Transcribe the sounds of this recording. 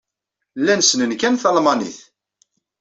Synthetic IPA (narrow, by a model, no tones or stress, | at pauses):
lːænsnənkænθɑlmɑnḭθ